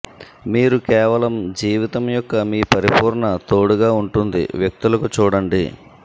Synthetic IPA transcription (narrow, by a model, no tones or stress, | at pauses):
miːɾukɛːʋɐlɐmd͡ʒiːʋit̪ɐmjɔkːɐmiːpɐɾipuːɾɳɐt̪o̞ːɽuɡaːuɳʈund̪ḭʋjɐk̚t̪ulɐkut͡ʃuːɽɐɳɖḭ